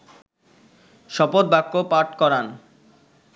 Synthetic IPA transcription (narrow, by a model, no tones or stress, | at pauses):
ʃɔpot̪̚bʱakːopaɾʈkɔɾan